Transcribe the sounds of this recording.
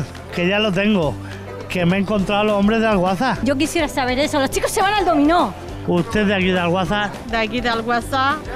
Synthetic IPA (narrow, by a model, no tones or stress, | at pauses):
ke̞ʝalo̞t̪̬e̞ŋɡo | ke̞meːŋko̞nt̪ɾawlosõmbɾe̞zðalɣwaθaɟ͡ʝo̞k̬isjeɾasaβ̞e̞ɾesolost͡ʃiko̞sːe̞βanald̪o̞mĩno | ust̪e̞ðeakiðalɣwaθa | d̪eakiðalɣwaθa